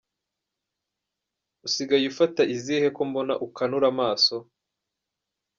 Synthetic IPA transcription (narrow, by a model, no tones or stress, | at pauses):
usiɡajufataʔizihe̞ko̞mbo̞naʔukanuɾamaːso̞